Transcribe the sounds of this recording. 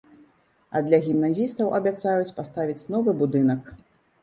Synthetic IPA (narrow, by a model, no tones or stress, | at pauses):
ɐ̰d̪lʲɐɣʲimnazʲist̪ɐwʔɐbʲat̪sajut͡sʲpast̪avʲit͡sʲn̪ɔvɨbud̪ɨnɐk